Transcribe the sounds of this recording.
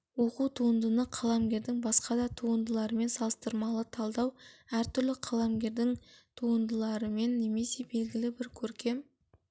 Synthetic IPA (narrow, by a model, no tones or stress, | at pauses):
wo̞qut̪ʰuənd̪ənəqʰɑlˠɑmɡʲe̞ɾd̪ɪŋbɑsqɑd̪ɑt̪ʰuənd̪əlˠɑɾəme̞nsɑlˠəst̪əɾmɑlˠət̪ʰɑlˠd̪ɑwæɾt̪ʰʏɾlɪqʰɑlˠɑmɡʲe̞ɾd̪ɪŋt̪ʰuənd̪əlˠɑɾəme̞nːe̞me̞se̞be̞lɡʲɪlɪbɪɾkʲʰɵɾkʲe̞m